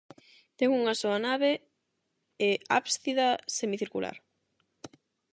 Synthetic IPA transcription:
t̪eŋuŋasoɐnaβe | ea̰pst̪iðasemiθiɾkula̰ɾ

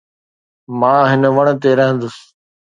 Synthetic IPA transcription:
mãːɦɪnəʋɐɽ̃̆t̪eɾɐɦə̃nd̪ʊs

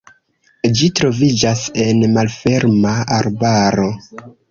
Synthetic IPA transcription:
d͡ʒitɾo̞vid͡ʒase̞nmalfe̞ɾmaaɾbaɾo̞

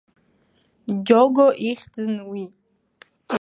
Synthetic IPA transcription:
d͡ʒoɡoʔiχʲd͡zɨnwi

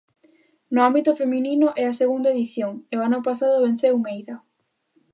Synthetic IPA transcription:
nʊambit̪ʊfemininʊʔɛaseɣund̪aeðiθjoŋeoanʊpasaðʊβen̟θeumejðɐ

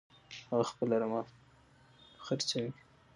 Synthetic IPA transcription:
haɣaxpəlaɾamɑ | xəɾt͡sawi

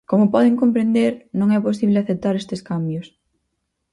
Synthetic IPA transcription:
komʊpɔðeŋkompɾend̪eɾnõŋɛpos̬iβlɪaθep̚t̪aɾest̪eskambjʊs

